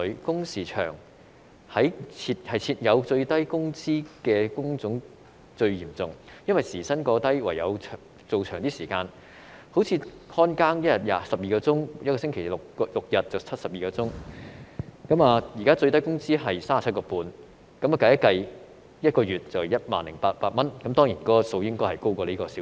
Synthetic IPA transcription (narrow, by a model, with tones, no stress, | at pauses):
ɥkʊ˥ŋsiː˨˩t͡ʃʰœ̰ː˨˩ŋ | hɐ˨˥jt͡sʰiː˧t̚hɐ˨jt͡sʰiː˧t̚jɐ˨˧wt͡ʃɵ˧ɥt̪ɐ˥jkʊ˥ŋt͡siː˥kɛː˧kʊ˥ŋt͡sʊ˨˥ŋ | t͡sɵ˧ɥjiː˨˩mt͡sʊ˨ŋjɐ˥nwɐ˨˩jsiː˨˩sɐ˥nkɔː˧t̪ɐ˥jwa̰˨˩jɐ̰˨˧wʰ | t͡so˨wt͡ʃʰœː˨˩ŋt̪iː˥siː˨˩kaː˧n | ho˨˥wt͡sʰiː˧hɔː˥nkaː˥ŋjɐ˥t̚jɐ˨t̚jaː˨˩sɐ˨p̚jiː˨kɔː˧t͡sʊ˥ŋjɐ˥kɔː˧sɪ˥ŋkʰe˨˩jlʊ˨kːlʊ˨k̚jɐ˨t̚t͡sɐ˨wt͡sʰɐ˥t̚sɐ˨p̚jiː˨kɔː˧t͡sʊ˥ŋ | kɐ˨˥maː˨˧jiː˨˩kaː˥t͡sɵ˧ɥt̪ɐ˥jkʊ˥ŋt͡siː˥ɦɐ˨jsaː˥maː˨t͡s̚ʰkɔː˧puː˧n | kɐ˨˥mɐː˨˩kɐ˨˧jɐ˥kɐ˧j | jɐ˥t̚kɔː˧ɥyː˨˩t̚t͡sɐ˨wjɐ˥t̚ma̰ː˨nlɪ˨˩ŋpaː˧t̚paː˧t̚mɐ˥nkɐ˨˥mt̪ɔː˥ŋjiː˨˩nkɔː˨˥ɔ˨so˧wjɪ˥ŋkɔː˥jhɐ˨˩jko˥wkɔː˧liː˥kɔː˧si˨˥